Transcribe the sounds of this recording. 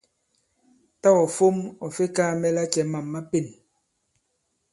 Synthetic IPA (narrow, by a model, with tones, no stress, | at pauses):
ta˦ɔ˨fo˦mɔ˨fe˦kaː˦mɛ˦la˦t͡ʃɛ˨ma˨mːa˦pe˨n